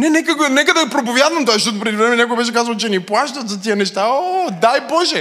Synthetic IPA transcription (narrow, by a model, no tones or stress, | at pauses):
nɛnɛkəɡonɛkəd̪ɐpɾopovʲjad̪vɐmt̪ɔaʃt̪ɔt̪ʊpɾɛd̪ivɾɛmɛnʲakʊɡɐbɛʃ̬ɛkazvəlˠt͡ʃɛniplˠaʃt̪ət̪zɐt̪iənɛʃt̪aod̪ajbɔʒɛ